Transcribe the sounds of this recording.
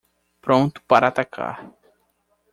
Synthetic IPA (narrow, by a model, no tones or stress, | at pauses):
pɾõnt̪ʊ̥paɾɐːt̪akʰa̰ɾ